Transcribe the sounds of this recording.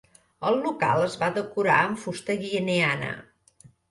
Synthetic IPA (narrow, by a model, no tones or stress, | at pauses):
əlˠːuka̰lˠəzβaðəkuɾa̰əɱfust̪əɣiəneanə̰